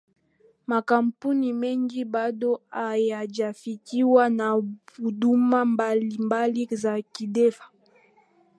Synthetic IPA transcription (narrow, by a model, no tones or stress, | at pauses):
makampunimɛŋɡibadoajad͡ʒafikiwanabudumambalimbalizakidɛfḁ